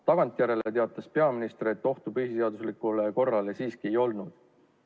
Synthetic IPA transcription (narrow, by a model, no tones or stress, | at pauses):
t̪ɑɡ̥ɑnt̪ˑjæɾe̞let̪e̞ɑt̪ˑɑspe̞ɑminist̪ɾet̪ːˑo̞ht̪upyhise̞ɑd̪̥uslikˑuleko̞rːɑle̞siːskie̞jo̞lnud̪̥